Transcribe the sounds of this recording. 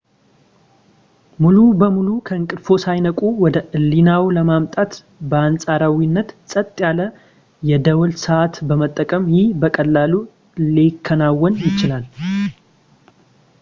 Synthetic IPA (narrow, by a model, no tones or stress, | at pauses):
mulubəmulukʰəɨŋkʼɨd̪fo̞sajnəkʼuwɔd̪əʔɨlːinawləmamt̪ʼat̪ | bəansʼaɾawinːət̪sʼət̪ʼːjalə | jɛd̪əwlsəat̪bəmət̪ʼːəkʼəmjɪhbəkʼəlːalu | likʰːənawːɔnjɪt͡ʃɪlal